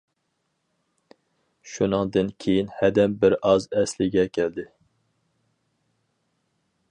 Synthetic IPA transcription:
ʃunɨŋd̪ɨnkʲʰejinhɛd̪ɛmbɪɾɑzɛslɪɡʲɛkʲʰɛld̪ɪ

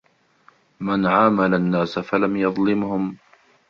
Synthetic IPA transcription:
manʕaːmalanːaːsafalamjɑðˤlɪmhʊm

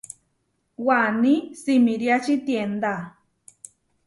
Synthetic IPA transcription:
wanisimiɾjat͡ʃit̪jend̪a

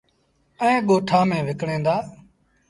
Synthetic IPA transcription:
ɛ̃ːɠoːʈʰaːmẽːʋɪkɽẽːnd̪aː

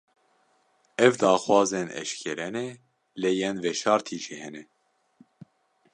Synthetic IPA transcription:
ɛvd̪ɑːxwɑːzenɛ̰ʃkʰɛɾɛne | lejɛnvɛʃɑːɾt̪ʰiːʒihɛnɛ

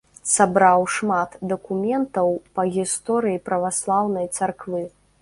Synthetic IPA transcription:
sabɾawʂmat̪d̪ɐkumʲɛnt̪ɐwpɐɣʲist̪ɔɾɨjipɾɐvaslˠawnɐjt̪sarkvɨ

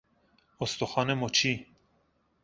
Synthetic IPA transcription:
ost̪oxɑːnemot͡ʃʰi

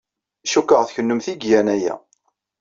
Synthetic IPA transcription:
ʃukːəʁθçənːʊmθiɡjænæjæ̰

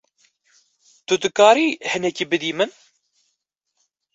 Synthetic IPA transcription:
t̪ʊd̪ɨkaːɾiːhɨnɛciːbɨd̪iːmɨn

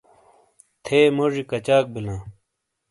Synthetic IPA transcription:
t̪ʰeːmoʐikɐt͡ɕaːk̚bilãː

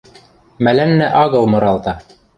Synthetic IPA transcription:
mælænːæʔɑɡɤ̆lˠmɤ̆ɾɑlˠt̪ɑ

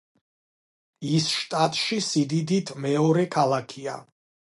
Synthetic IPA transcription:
isʃt̪ʼat̪ʼʃisid̪id̪it̪ʰmɛɔɾɛkʰalˠakʰia̰

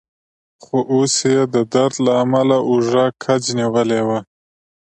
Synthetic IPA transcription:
χoʔosjed̪əd̪aɾd̪laːmalaʔuʐakʰad͡ʒniwəlewa

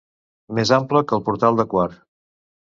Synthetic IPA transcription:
mezampləkəːlˠpuɾt̪alˠd̪əkwaɾ

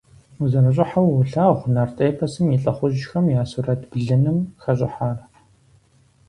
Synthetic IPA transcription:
uzɐnɨɕʼɪħawɬaːʁʷnɐrtʼeːpʰɐsɨmiɬʼɐχʷʊʒxɐmjaːsurɐtʰb̥ɮɨnɨmxɐɕʼɪħaːr

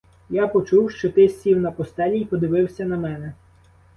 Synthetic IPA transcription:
japɔt͡ʃuwʃt͡ʃɔt̪ɪsʲiwnɐpɔst̪ɛlʲijpɔd̪ɪʋɪwsʲɐnɐmɛnɛ

